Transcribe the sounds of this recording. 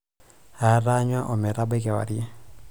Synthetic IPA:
a˨˦ɾa˦ɲwa˦ʔɔ˨mɛ˨ɾa˦bɛ˦kɛ˨wa̰˨ɾjɛ˦

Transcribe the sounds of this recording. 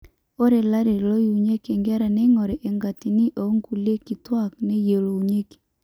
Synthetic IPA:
o˦ɾe˨la˦ɾe˨lɔ˦ju˨ɲe˦ke˨ŋɡɛ˦ɾa˨nɛ˦ŋɔ˨ɾɛ˨ʔe˨ŋɡa˨ti˨nɪ˦ʔo˨˦ŋɡu˨le˦ki˨twa˦knɛ˦je˨lo˨u˨ɲe˦ke̥˨

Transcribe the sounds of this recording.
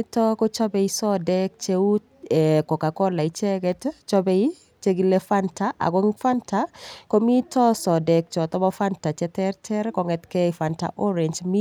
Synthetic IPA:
tɔ˦kɔ˦t͡ʃɔ˦bɛ˨isɔ˦dɛk̚t͡ʃe˦u˦ | ɛ˨kɔ˨ka˨kɔ˦la˨i˨t͡ʃɛ˦ɡɛtt͡ʃɔ˦bɛi | t͡ʃe˦ɡile˦fa˦ntaʔa̰˨ɡɔ˦ŋfa˦ntako˦mi˦tɔ˦sɔ˨dɛ˨k̚t͡ʃɔ˨t̪ɔ˦bɔfanta˨t͡ʃɛtɛɾtʰɛ˦ɾkɔ˨ŋɛ˨t̪kɛ˦ifanta̰˨ʔɔ˦ɾe˨ɲd͡ʒmi

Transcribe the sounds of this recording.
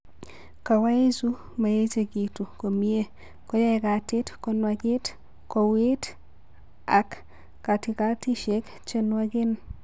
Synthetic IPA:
ka˨wa˦i˦su˦ | ma˨e˦t͡ʃe˨ki˨tu˨ko˨mi˦e˦ | ko˦jɛ˦katɪ˦tko˨nwakɪ˦t | ko˨wi˦t | akː | a˨ti˨ka˦ti˦ʃe˦k | t͡ʃe˦nwa˦kɪ˦n

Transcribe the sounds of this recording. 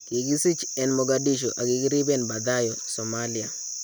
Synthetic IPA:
ki˨ɡi˦si˦t͡ʃɛ˨nmɔ˨ɡa˨di˦ʃ̬o˨ʔa˨ɡi˨ɡi˦ɾi˦bɛ˦˨nba˨d̪a˦jɔ˨sɔ˨mali˨a˨

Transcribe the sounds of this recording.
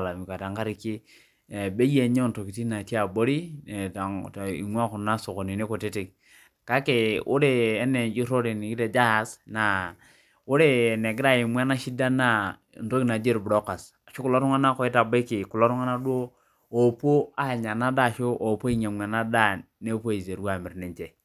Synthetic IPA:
la˨mi˨ka˨ta˨ŋka˦ɾi˨ki˦ | e˨be˦je˦˨ɲo˦n˨to˨ki˨ti˦na˨ti˦a˨bo˦ɾi˦e˨ta˨tḭ˨ŋwa˦ku˨na˦so˨ko˨ni˨ne˦ko˨ti˦ti˨k̚ | ka˦ke˨ṵ˦ɾe˦ɛ˦ne˨d͡ʒi˦ɾo˦ɾi˨ni˨ki˦e˨d͡ʒa˦ha˨sna˨ | u˦ɾe˦˨ne˨ɡi˦ɾa˦ji˨mwa˦na˦ʃi˦da˦na˦˨ | n̩˨to˦ki˨na˨d͡ʒe˦ɾbɾo˦ka˨s | a˨ʃo˦ku˨lo˦tu˦ŋa˦na˦ko˦i˦ta˨be˦ki˨ku˨lo˦tu˦ŋa˦na˦dwo˦ | o˨po˦a˦˨ɲa˨na˦da˦˨ʃo˦ʔo˨po˦i˦ɲa˨mʷ˨a˨na˦da˦˨ | ne˦po˦i˨ze˨ɾwa˨mi˨ɾne˨nt͡ʃe˨

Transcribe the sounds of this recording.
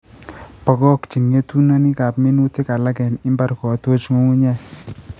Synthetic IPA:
pə˨ɡɔ˦kt͡ʃi˨ŋe˦t̪u˦na˦ni˦ka˨pmi˦nu˦t̪ʰe˦ka˨la˦kɛ˨ni˦mba˦ɾkʰɔ˨t̪o˦t͡ʃŋo˦ŋu˦ɲɛ˦

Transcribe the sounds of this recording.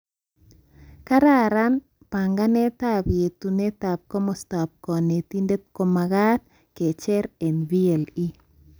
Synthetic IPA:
ka˦ɾa˦ɾa˦n | pa˨ŋɡa˦nɛ˦ta˦bie˨tu˨ne˦ta˨p̚kɔ˦mɔ˨sta˨p̚kɔ˨ne˨t̪i˦nde˦t̪̚ko˦ma˨ɣa˦t̪̚ | ke˨t͡ʃɛ˦ɾɛ˨nvi˦e˨li˦

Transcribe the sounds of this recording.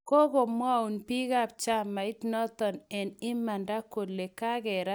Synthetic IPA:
ko˦ko˨mwa˦u˨npi˦ɣa˦˨p̚t͡ʃa˦ma˨i˦t̪nɔ˦t̪ɔ˨nɛ˨nɪ˦ma˨nda˦ko˨le˨ka˦ɡɛ˨ɾa˦

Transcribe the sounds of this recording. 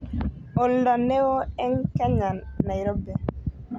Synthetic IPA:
o˨ldɔ˨ne˦wo˦ɛ˦ŋkɛ˦ɲa˨nːa˨i˨ɾɔ˦bɛ˨

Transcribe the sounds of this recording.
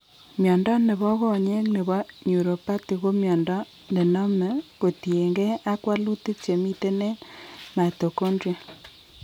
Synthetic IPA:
mjɔ˨ndɔ˦ne˨βɔ˦ɣo˦˨ɲe˦kne˨βɔ˦ɲu˨ɾo˨pa˦ti˨ɣo˦mjɔ˨ndɔ˦ | ne˨nɔ˦me˨ko˨ti˨e˨ŋɡe˦a˦kwa˦lu˦ti˦t͡ʃe˨mi˦te˦ne˦ma˨to˨ko˦nde˨

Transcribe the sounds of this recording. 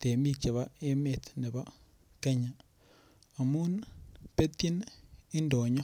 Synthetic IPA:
t̪e˨mi˦t͡ʃe˨βa˦e˦me˨t̪ne˨ba˦ | ka˦ɲaː˨ | mu˦npe˦t̪i˦ni˦ndo˨ɲɔ˦

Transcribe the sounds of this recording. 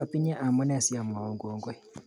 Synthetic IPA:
a˦pi˦ɲa˦ʔa˨mɔ˦nɛ˦˨si˦a˨m˨a˨o˦ŋɡo˨˦ŋɡwɛ˦

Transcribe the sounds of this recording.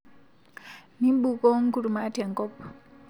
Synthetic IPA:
ni˦m˦ɓu˨kɔ˦ŋ˦ku˨ɾu˨ma˦ta˨ŋkɔ˦p

